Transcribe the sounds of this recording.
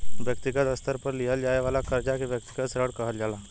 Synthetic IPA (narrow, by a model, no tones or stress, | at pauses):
ʋjəkt̪ɪɡət̪əst̪əɾpɐɾlijəld͡ʒaːeʋaːlakɐɾd͡ʒakeʋjək̚t̪ɪ̥ɡət̪sɾəɽkɐɦəld͡ʒaːlaː